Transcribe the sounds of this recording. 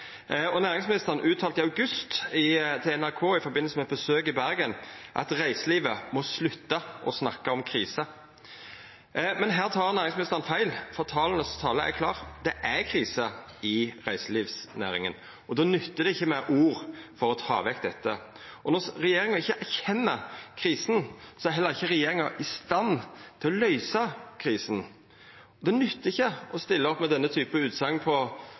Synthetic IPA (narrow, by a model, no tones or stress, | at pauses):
ɔnæːɾɪŋsmɪnɪst̪əʁnʔʉːt̪ʰːɑːlt̪ɪɑʉɡʉst̪ɪt̪ʰɪɛnæʁkʰoːɪfɔɾbɪnəlsəmɛt̪̚bəsøːk̬ɪbæɾɡənʔɑ̰t̪ʁæɪsəliːʋəmɔslʉt̪ːɑʔɔsnɑkːɑɔmkʰɾiːsə | mɛnɦæːʁt̪ʰɑːʁnæːɾɪŋsmɪnɪst̪əʁnfæɪlfɔʁt̪ʰɑːlnəst̪ʰɑːləæ̰ɾkʰlɑːʁd̪ɛʔækʰʁiːsə | ɪʁæɪsəliːʋsnæ̰ːɾɪŋən | ɔd̪oːnʉt̪ːəd̪ɛɪçːəmɛʔuːɾfɔɾɔt̪ʰɑ̰ːʋɛk̚d̪ɛt̪ːə | ɔnɔɾɛjeːɾɪŋɑɪçːəʔæɾçɛnːəkʰɾiːsn̩sɔɛæɾɦɛlːəɾɪçːəɾɛjeːɾɪŋɑʔɪst̪ɑnːt̪ʰɪlɔlœʏsɑkʰɾiːsn | d̪ɛnʉt̪ːəɪçːəɔst̪ɪlːəɔpːmɛd̪ɛnːət̪ʰyːpəʉːt̪sɑŋːpʰɔ